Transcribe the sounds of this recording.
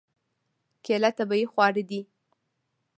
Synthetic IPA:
kelat̪abajixwɑɽid̪i

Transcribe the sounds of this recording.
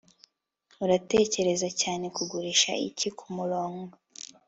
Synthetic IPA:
uɾate̞ːce̞ɾe̞zacaːne̞kuɡuɾiːʃa̰ḭcikʰumuɾoːŋɡo

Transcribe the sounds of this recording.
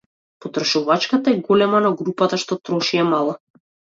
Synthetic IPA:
pɔt̪ɾɔʃuvat͡ʃkat̪aɛɡɔlɛmanaɡɾupat̪aʃt̪ɔt̪ɾɔʃiɛmalˠa

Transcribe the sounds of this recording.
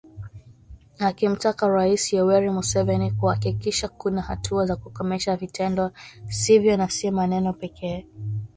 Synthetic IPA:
akim̩takaɾaisiɔwɛɾimusɛvɛnikuhakikiʃakunaha̰tʰuazakukɔmɛʃavitʰɛndɔsivjɔnasimanɛnɔpɛkʰɛː

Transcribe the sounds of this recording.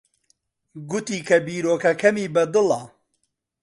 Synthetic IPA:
ɡʊt̪iːkʰɐbiːɾoːkɐkʰɐmiːbɐd̪ɨlɐ

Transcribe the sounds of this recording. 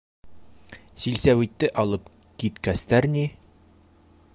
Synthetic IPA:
silsæwit̪ːɘʔɒlˠɤp | kit̪kæst̪æɾni

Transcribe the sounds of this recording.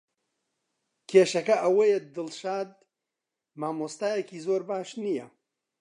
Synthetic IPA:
kʰeːʃɐkɐʔɐwɐjed̪ɨlʃaːd̪̚ | maːmoːst̪aːjekiːzoːɾbaːʃnijɐ

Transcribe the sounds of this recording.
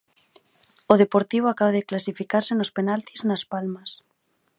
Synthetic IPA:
oð̞epoɾt̪iβ̞oakaβaðeklasifikaɾsenospenalt̪iznaspalmas

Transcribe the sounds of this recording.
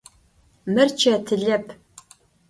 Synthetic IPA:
mɨrt͡ʃʰɐtʰɨɮɐpʰ

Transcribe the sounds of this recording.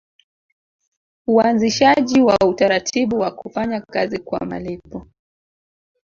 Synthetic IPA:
uanziʃaʄiwautaɾatʰiɓuwakufaɲakazikwa̰ma̰lipɔ

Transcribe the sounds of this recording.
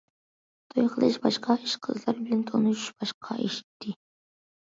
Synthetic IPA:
t̪ʰojqʰəlˠɨʃbɑʃqʰɑiʃqʰəzlˠɑɾbɪlʲɛnt̪ʰonuʃb̥ɑʃqʰɑ̰ʔeʃi̥t̪ʰːɪ

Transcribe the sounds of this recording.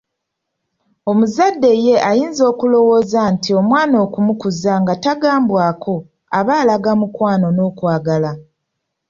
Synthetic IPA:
o̞muzadːe̞je̞ʔajiːnzo̞ːkulo̞wo̞ːzantio̞mwaːno̞ːkumukuzaŋɡataɡaːmbwaːkʰo̞ | aβaːlaɡamukwaːno̞no̞ːkwaːɡala

